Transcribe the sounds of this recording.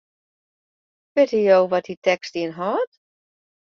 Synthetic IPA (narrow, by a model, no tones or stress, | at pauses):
ʋɪthijowʋɔtitɛkstiənɦɔːt